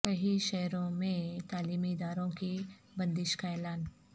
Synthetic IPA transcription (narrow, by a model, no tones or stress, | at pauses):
kɐɦiʃɛɦɾõmẽt̪aːliːmiɪd̪aːɾõki | bɐ̃nd̪ɪʃkaɛːlaːn